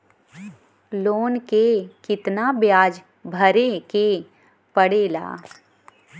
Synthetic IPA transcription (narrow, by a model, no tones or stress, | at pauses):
loːnkekɪt̪nabjaːd͡ʒ | bʱɐɾeke | pəɽeːla̰ː